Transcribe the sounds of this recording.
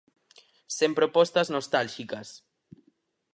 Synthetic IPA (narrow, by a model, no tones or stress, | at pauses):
sempɾopɔst̪aznost̪alʃikas